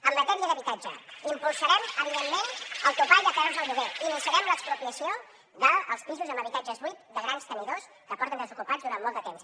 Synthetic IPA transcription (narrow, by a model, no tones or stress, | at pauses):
əmmət̪ɛmiəðəβit̪ad͡ʒəimpulˠsəɾɛməβiðemːenəlˠt̪upajðəkɛɾuzðəlˠβuɣeinənsəɾɛmləkspɾupiəsio | ðəːlˠspizuzəməβit̪ad͡ʒəzβuit̪̚d̪əɣɾanst̪əniðos | kəpɔɾt̪ənd̪əzukupazðuɾamːɔlˠd̪ət̪ems